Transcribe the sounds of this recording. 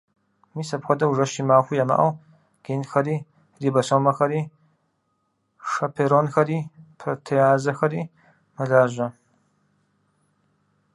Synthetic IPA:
misɐpxʷɐdɐuʐɐʃimaːxʷujɐma̰ʔɐw | ɡ̥enxɐɾiː | ribɐsomɐxɐɾiː | ʂɐpʰeɾonxɐɾiːpʰrotʰejaːzɐxɐɾi | mɐɮaːʒʷɐ

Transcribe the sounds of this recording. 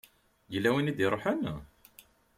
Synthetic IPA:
jəlːæwinid̪iɾˤoħən

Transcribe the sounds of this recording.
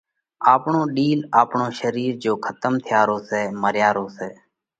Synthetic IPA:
aːpɳõːɗiːlaːpɳoːʃəɾiːɾd͡ʒoːkʰət̪əmt̪ʰɪjaːɾoːseːməɾjaːɾoːseː

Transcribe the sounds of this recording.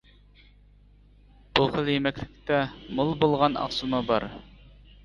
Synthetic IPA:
b̥uχəlˠjemɛkʲlɪkʲt̪ɛmolˠbolˠʁɑnɑ̰χsumɑbɑɾ

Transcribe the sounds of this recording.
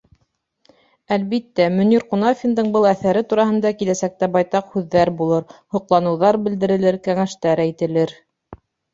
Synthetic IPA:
ælβit̪ːæmɵ̆niɾqunɑfʲind̪ɤɴbɤlˠæθæɾɘt̪uɾɑɦhɤ̆nd̪ɑkilæsæk̚t̪æbɑjt̪ɑqhʉðːæɾbulˠɤɾhŭqlˠɑnɤ̆wðɑɾbɘ̆ld̪ɘ̆ɾɘ̆lɘɾkæŋæʃt̪æɾæjt̪ɘ̆lɘɾ

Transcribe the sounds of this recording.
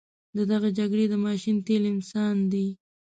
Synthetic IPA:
d̪əd̪aɣad͡ʒaɡɽed̪əmɑʃint̪elɪnsɑnd̪i

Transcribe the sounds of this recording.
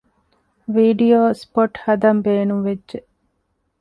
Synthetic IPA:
ʋiːɖijoːspoʈhɐd̪ɐmbeːnumʋedːʒeʔ

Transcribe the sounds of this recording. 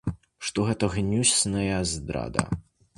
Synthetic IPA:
ʂt̪ɔɣɛt̪ɐɣnʲusʲnɐjɐzd̪ɾa̰d̪ɐ̰

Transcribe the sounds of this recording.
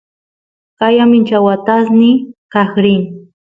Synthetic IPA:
kajamɪnt͡ʃawat̪asnɪkahɾɪŋ

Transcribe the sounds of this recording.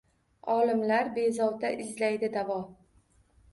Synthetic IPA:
ɒlɪmlaɾbe̞zɒwd̪aʔɪzlajd̪ɪd̪avɒ

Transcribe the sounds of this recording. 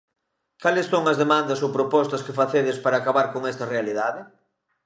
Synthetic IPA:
kalesːoŋɐzðemãnd̪ɐsowpɾopɔst̪ɐskefaθeð̞ɪspaɾaːkaβaɾkoŋɛst̪ɐrealiðaðɪ

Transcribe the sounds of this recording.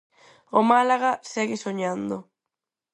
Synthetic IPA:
omalaɣasɛɣesoɲand̪o

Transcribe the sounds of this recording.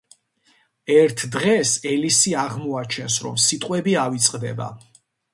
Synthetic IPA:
ɛɾt̪ʰd̪ʁɛsɛlisiaʁmɔat͡ʃʰɛnsɾɔ̰msit̪ʼqʼwɛbiavit̪sʼqʼd̪ɛ̰ba̰

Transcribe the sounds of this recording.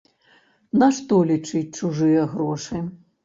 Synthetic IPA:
nɐʂt̪ɔlʲit͡ʂɨt͡s̚ʲt͡ʂuʐɨjɐɣɾɔʂɨ

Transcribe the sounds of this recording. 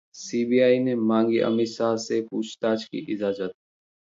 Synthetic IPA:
siːbiːaːineːmãːŋɡiːʔə̰miːsaːseːpuːt͡ʃʰt̪aːt͡ʃkḭːʔɪzaːd͡ʒət̪̚

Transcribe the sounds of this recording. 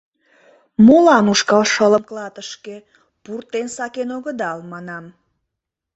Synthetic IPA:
molɑnuʃkɑlʃələmklɑt̪əʃke | purt̪ensɑkenoɣəd̪ɑlmɑnɑm

